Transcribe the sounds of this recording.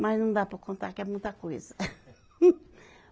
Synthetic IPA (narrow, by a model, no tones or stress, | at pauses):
mɐznɐ̃w̃d̪apɐɾkõnt̪aɾkɛmũj̃t̪ɐkojzɐ